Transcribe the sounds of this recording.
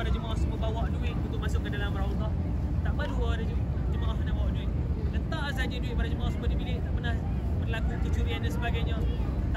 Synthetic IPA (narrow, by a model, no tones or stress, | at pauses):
adad͡ʒəmaahsəmobawaʔduɪʔ̪̚ut̪ʊʔmasʊʔkːandalamɾawt̪ɔʔ | t̪aʔpəluadəd͡ʒud͡ʒəmaʔahənahbawaʔduɪʔ̪̚lət̪as̬ad͡ʒəduɪʔ̪̚padad͡ʒəmaahsəmʊdimilɪʔt̪aʔpərnah | bərlakukut͡ʃuɾiandansəbaɡajɲãt̪a